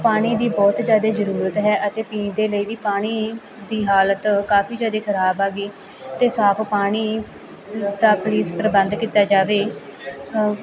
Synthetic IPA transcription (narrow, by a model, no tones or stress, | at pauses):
paːɽ̃iːd̪iːbɔːt̪d͡ʒjaːd̪eːzəɾuːɾət̪ɦɛːʔət̪eːpĩːd̪eːləiːʋiːpaːɽ̃iː | d̪iːɦaːlət̪kaːpʰiːd͡ʒjaːd̪eːkʰəɾaːbaːɡiː | t̪eːsaːpʰpaːɽ̃iː | d̪aːpliːspɾəbə̃nd̪kiːt̪aːd͡ʒaːʋeː